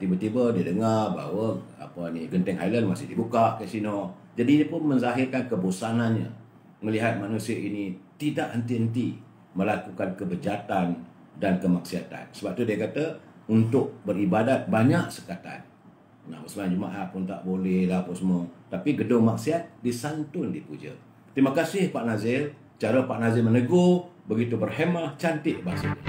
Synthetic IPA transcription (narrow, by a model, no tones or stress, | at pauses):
t̪ibət̪ibədiədəŋarba̰ɦwəa̰pəniɡənt̪ɛŋɦajlənmasɪhdibukaʔkəsinɔʔ | d͡ʒadiɲəpʊnmənzaɦɪrkankəbusananɲə̰ | ŋəliɦat̪̚manusiəʔinit̪idaʔhənt̪iɦənt̪̬i | məlakukankəbəd͡ʒat̪an | dankəmak̚siat̪a̰nsəbap̚t̪udiəkat̪ə | unt̪ʊk̚bəɾibadat̪̚baɲaʔsə̥kat̪a̰n | na̰məsəmaad͡ʒuma̰ʔaʔpʊnt̪a̰ʔbolɛhlaapunsəmot̪apiɡədʊŋmak̚siat̪̚disant̪ʊndipud͡ʒə̰ | t̪ɾimakasɪhpaʔnazɪl | t͡ʃaɾəpaʔnazɪlmənəɡo | bəɡit̪ubərhemaht͡ʃant̪ɪʔbaɦasəɲə̰